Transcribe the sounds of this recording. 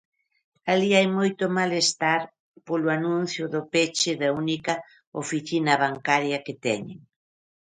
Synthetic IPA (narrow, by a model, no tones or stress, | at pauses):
aliajmojt̪ʊmalest̪aɾ | polʊanũn̟θjʊðʊpet͡ʃɪðaunikɐ | ofiθinɐβ̞aŋkaɾjɐket̪ɛɲḛŋ